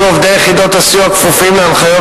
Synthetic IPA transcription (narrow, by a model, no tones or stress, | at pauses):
ovd̪ejeχid̪o̞t̪asjuakfufimːeanχajo